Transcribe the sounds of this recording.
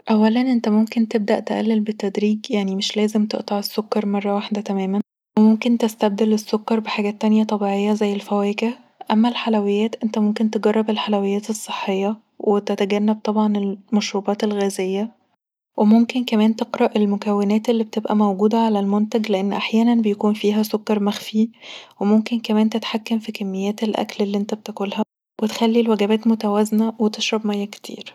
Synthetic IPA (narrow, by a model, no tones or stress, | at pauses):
ʔæwːælænʔent̪æmomkent̪eb̚d̪æʔt̪eʔæ̰lːelbet̪ːæd̪ɾiːɡjaʕnimeʃlæːzemt̪eʔt̪ˤɑʕesːokːɑɾˤmɑrˤːɑwaħd̪æt̪æmæːmæn | wemomkent̪est̪æb̚d̪elesːokːɑɾˤbeħaːɡæt̪ːænjæt̪ˤɑbiːʕejːɑzæjːelfæwækæ | ʔæmːælħalæwejːæːt̪ʔent̪æmomkent̪eɡɑrˤːɑbelħalæwejːæːt̪esˤːe̥ħːejːɑ | wʔet̪æt̪æɡænːæb̚t̪ˤɑbʕɑnelmæʃɾuːbɑːt̪elɣæːzejːæ | wʔemomkenkæmæːnt̪eqɾɑʔelmokæwːenæːt̪elːibet̪ebʔæmæwɡuːd̪æʕalælmont̪æɡleʔenːʔaħjæːnænbejækuːnfiːɦæsokːɑɾˤmæxfiwemomkenkæmæːnt̪et̪ħakːæmfikæmːejːæːt̪elʔæ̰klelːiʔent̪æbt̪ekolhæ | wet̪xælːilwæɡæbæːt̪mot̪æwæznæwet̪eʃɾˤɑbmæjːæke̥t̪ʰḭːɾ